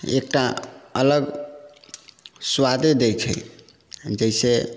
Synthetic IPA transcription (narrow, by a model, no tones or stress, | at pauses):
ḛk̚ʈaələɡ | swad̪ed̪ejt͡ʃʰɛ̰ | d͡ʒəise